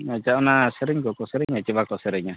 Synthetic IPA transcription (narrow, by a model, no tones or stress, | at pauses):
ad͡ʒaɔnasɛɾɛɲkɔkɔsɛɾɛɲat͡ʃɛbakɔsɛɾɛɲa